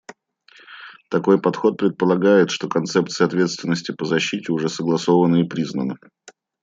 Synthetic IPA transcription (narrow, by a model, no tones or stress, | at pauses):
t̪ɐko̞jpɐt̪xo̞t̪̚pɾʲɪt̪̚pəlˠɐɡajɪt̪ʂt̪o̞kɐnt̪sɛpt̪sɨjəɐt̪vʲe̞t̪st̪vʲɪnːəsʲtʲɪpəzɐɕːitʲɪʊʐɛsəɡlˠɐso̞vənəɪpɾʲiznənə